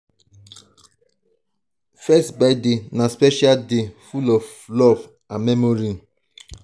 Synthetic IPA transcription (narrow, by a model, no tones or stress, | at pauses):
fɛstbadenaspɛʃaldefulɔv | lɔv | ãnmɛmoɾĩ